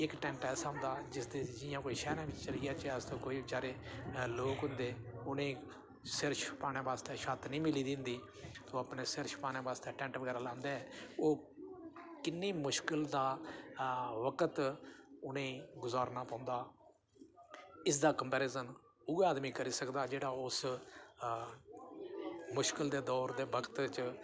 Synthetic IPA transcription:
ɪkʈɛ̃ːɳʈɛːsaːʊ̃nd̪aːd͡ʒɪsd̪eːd͡ʒɪjãːkoːiːʃɛːɾãːʋɪt͡ʃt͡ʃəlijaːt͡ʃəst̪õːkoːiːbɪt͡ʃaːɾeːloːkɦʊ̃nd̪eːʊnẽː | sɪɾʃpaːñẽːbaːst̪eːʃat̪nĩːmɪliːd̪ɪ̃nd̪iː | t̪õːapneːsɪɾʃpaːnẽːbaːst̪eːʈɛ̃ːɳʈʋəɡɛːɾaːlãːnd̪eːɛːoː | kɪnːeːmʊʃkɪld̪aː | ʋəkət̪ʊnẽːɡʊzaːɾnaːpãːʊ̃nd̪aː | ɪsd̪aːkəmpɛːɾeːzən | ʊɡaːd̪miːkəɾiːsəkd̪aːd͡ʒeːɽaːʊs | mʊʃkɪld̪eːd̪ɔːɾd̪eːbəkət̪t͡ʃ

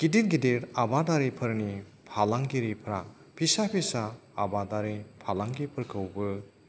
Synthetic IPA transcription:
kidit̚ɡidiɾabadaɾipʰɯɾni | pʰalaŋɡiɾipʰɾa | pʰisapʰisaːbadaɾipʰalaŋɡipʰɯɾkʰɯwbɯ

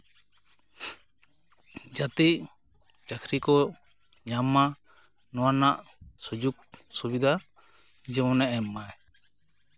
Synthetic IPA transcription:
d͡ʒat̪iʔ | t͡ʃakʰɾikɔ | ɲama | nɔwanaʔ | sud͡ʒuk̚subid̪ʱa | d͡ʒɛmɔ̃nɛʔɛmːa

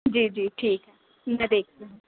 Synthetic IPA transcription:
d͡ʒiːd͡ʒiːʈʰiːkɦɛ | mɛd̪eːk̚ʰt̪eɦ

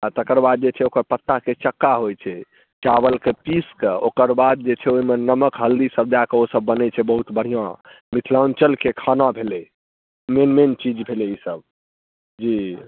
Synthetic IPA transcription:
at̪əkəɾbad̪̚d͡ʒet͡ʃʰɛokəɾpət̪ːaket͡ʃəkːaɦojt͡ʃʰɛ | t͡ʃabəlkepiskeokəɾbad̪̚d͡ʒet͡ʃʰɛoimenəməkɦəld̪isəb̚d̪akeosəbːənɛt͡ʃʰɛbəɦut̪bəɽ̤ijã | mit̪ʰlaunt͡ʃəlkekʰanãbʱelɛ | menment͡ʃid͡ʒbʱelɛisəb | d͡ʒi

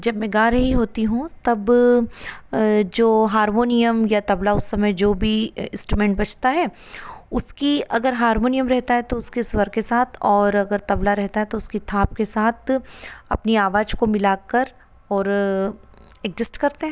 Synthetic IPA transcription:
d͡ʒɐbmɛ̃ɡaːɾɐɦiɦoːt̪iɦũt̪ɐb | d͡ʒoːɦaːɾmoːnijəmjat̪ɐblaʊsːɐməjd͡ʒoːbʱiɪ̃nsʈɾumɛ̃ːɳʈbɐt͡ʃʰt̪aɦɛː | ʊskiɐɡəɾɦaːɾmoːnijəmɾɛɦt̪aɦɛt̪oʊskeswɐɾkesaːt̪ʰɔːɾɐɡəɾt̪ɐblaɾɛɦt̪aɦɛt̪oʊskit̪ʰaːp̚kesaːt̪ʰɐ̰pniaːʋaːd͡ʒkomɪlaːkɐɾ | ɔːɾ | ɛɡd͡ʒɪsʈkɐɾt̪eɦɛ̃ː

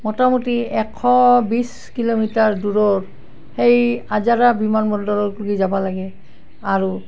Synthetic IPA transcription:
mɔtamutiɛkʰːɔbis | kilomitaɹduɹɔɹ | xejazaɹabimanbɔndɔɹɔkuɡizabɔlaɡɛ | aɹu

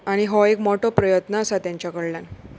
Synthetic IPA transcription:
aɽ̃iɦɔekmɔʈɔpɾəjət̪naəsat̪jaɲt͡ɕjakəɽljan

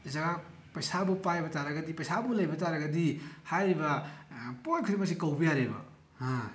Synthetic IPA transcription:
zɐɡa | pɐjsabupajbɐtaɾɐɡɐdipɐjsabulɐjbɐtaɾɐɡɐdihajɾibɐponkʰɾimɐs̬ikɐwbijaɾebɐ̰ | ha

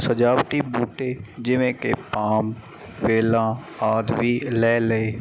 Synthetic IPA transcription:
səd͡ʒaːʋʈibuːʈeːd͡ʒɪʋẽkḛpaːm | ʋeːlãː | aːd̪ʋiːlɛːləeː

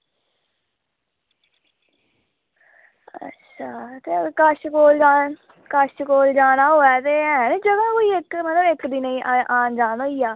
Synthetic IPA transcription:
ə̰tːʃʰaːt̪eːəkəʃkoːlaː | kəʃkoːld͡ʒaːnaːɦoːɛːt̪eːɦɛ̃ːnd͡ʒəd̪ãːkoːiːɪkmət̪ləbɪkd̪iːnəĩːʔʔaːnd͡ʒaːnoːiːaː

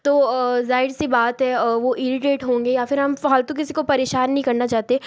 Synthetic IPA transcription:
t̪oːzaːɪɖsibaːt̪ɦɛʋoʔɪɾɪʈeːʈɦõːŋɡejafɪɾɦɐmfaɔːlt̪ok̬ɪsikopɐɾeːʃaːnːɐɦĩkɐɾnat͡ʃaːt̪eɛ

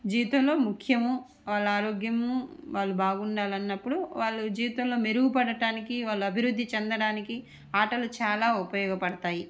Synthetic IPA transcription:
d͡ʒiːit̪ɐmlo̞ːmukʰjɐmu | ʋaːɭːaːɾoːɡjɐmuʋaːɭːubaːɡuɳɖaːlɐnːɐpːuɽuʋaːɭːud͡ʒiːʋit̪ɐmlo̞ːmeɾuɡupɐɽɐʈaːnikiʋaːɭːuɐbʱiɾud̪ʱːit͡ʃɛnd̪ɐɽaːniki | aːʈɐlut͡ʃaːlaːupɐjɔːɡɐpɐɽɐt̪aːji

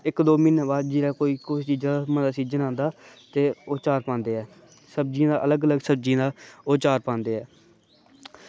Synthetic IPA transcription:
ɪkd̪oːmɪnbaːd͡ʒiːɾaːkoːiːkʊʃt͡ʃiːd͡ʒaːaməd̪aːsiːd͡ʒənãːnd̪aːt̪eːoːt͡ʃaːɾpãːnd̪eːɛː | səb̚d͡ʒĩːd̪aːʔələɡələɡsəb̚d͡ʒĩːd̪aːoːt͡ʃaːɾpãːnd̪eːɛː

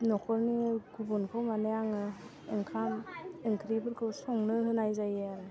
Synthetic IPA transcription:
nɔkʰɔɾniɡubɔnkʰawmanejaŋɯ | eŋkʰamɯŋkʰɾibɯɾkʰɯwsɔŋnɯhɯnajzajeaɾɯ

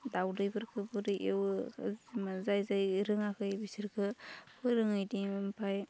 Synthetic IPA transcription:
dawdɯjbɯɾkʰɯbuɾɯʔewzmazajzajɾɯŋakʰɯjbisiɾkʰɯpʰɯjɾɯŋɯjdimpʰaj

